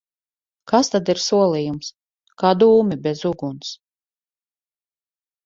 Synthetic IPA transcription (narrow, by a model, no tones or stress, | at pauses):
kast̪ad̪iɾsuɔlˠijums | kaːd̪uːmibʲɛzuɡuns